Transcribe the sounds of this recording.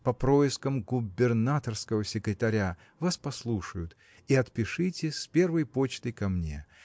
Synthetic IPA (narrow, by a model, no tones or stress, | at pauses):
pɐpɾoɪskəmɡʊbʲɪrnat̪ərskəvəsʲɪkɾʲɪt̪ɐɾʲa | vaspɐslˠuʂəjʊt̪ | iɐt̪pʲɪʂɨtʲɪspʲe̞rvəjpo̞t͡ɕt̪əjkɐmnʲe̞̰